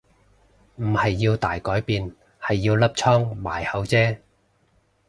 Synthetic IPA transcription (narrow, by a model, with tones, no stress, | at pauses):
m̩˨˩hɐ˨jːiː˧wt̪a̰ː˨jkɔː˨˥jpiː˨˧n | hɐ˨jːiː˧wlɐ˥p̚t͡ʃʰɔː˥ŋma̰ː˨˩jhɐ˨˥wt͡sɛː˥